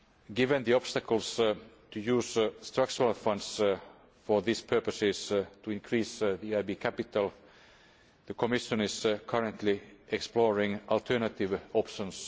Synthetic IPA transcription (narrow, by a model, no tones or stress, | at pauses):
ɡɪvə̃nðiɔb̥st̪ækəls | t̪ʰujʉːsst̪ɹak̚t͡ʃəɹalfʌ̃nds | fɔɹðispʰɜ˞pəsɪst̪ʰuɪ̃nkʰɹiːsðiaɪbikʰæpɪt̪əlˠ | ðəkʰɔmɪʃə̃nɪz̥kʰʌɹə̃nt̪ʰliʔɛksplɔɹɪ̃ŋɔlt̪ʰə˞nət̪ɪʋɔpʃə̃ns